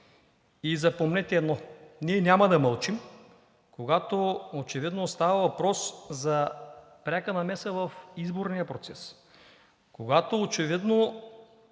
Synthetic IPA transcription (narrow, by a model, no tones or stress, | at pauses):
izɐpomnɛt̪ʲɛɛd̪nɔniɛnʲamɐd̪ɐməlˠt͡ʃim | koɡat̪oot͡ʃɛvid̪nost̪avɐvɐpɾɔszɐ | pɾʲakənɐmɛsəvɐfizboɾnijəpɾot̪sɛs | koɡat̪oːt͡ʃɛvid̪no